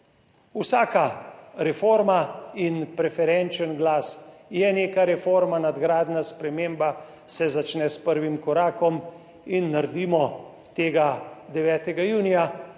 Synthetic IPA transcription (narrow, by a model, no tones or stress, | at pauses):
usaːkaɾɛfoːɾmainpɾɛfɛɾɛnt͡ʃənɡlaːsjɛneːkaɾɛfoɾmanad̪ɡɾaːd̪naspɾɛmeːmba | sɛzat͡ʃnɛspəɾʋimkɔɾaːkɔm | inːaɾd̪iːmɔ | t̪eːɡad̪ɛʋɛːt̪ɛɡajuːnija